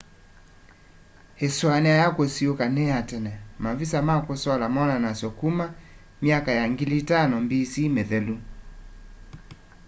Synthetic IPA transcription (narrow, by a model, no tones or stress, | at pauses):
hɛswanɛajakɔsiokanɛatɛnɛmavisamakɔsɔlamɔnanasjɔkuma | miakajaŋɡilitanɔmbisimɛðɛlu